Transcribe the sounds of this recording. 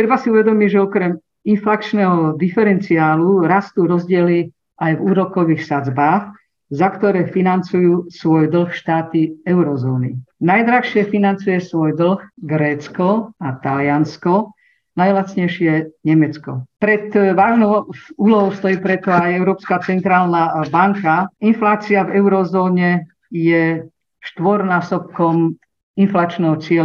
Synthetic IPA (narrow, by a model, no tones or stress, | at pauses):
t̪ɾɛbasiuʋɛd̪ɔmiɟʒɛɔkɾɛm | inflakt͡ʃnɛːɦɔd̪ifɛɾɛnt͡siaːluɾast̪uɾɔzɟɪɛli | ʔajvuːɾɔkɔʋiːxsad͡zbaːx | zakt̪ɔɾɛːfinant͡sujuːsʋɔjd̪l̩xʃt̪aːt̪iɛʊɾɔzɔːnḭnajd̪ɾaxʃɪɛfinant͡sujɛsʋɔjd̪l̩xɡɾɛːt͡skɔat̪alɪanskɔ | najlat͡sɲɛjʃɪɛɲɛmɛt͡skɔ̰pɾɛt̪ʋaːʒnɔʊuːlɔɦɔʊst̪ɔjiːpɾɛt̪ɔajɛʊɾɔːpskat͡sɛnt̪ɾaːlnabaŋkainflaːt͡siavɛʊɾɔzɔːɲɛ | jɛ | ʃt̪ʋɔɾnaːsɔp̚kɔm | inflaːt͡ʃnɛɦɔt͡sɪɛ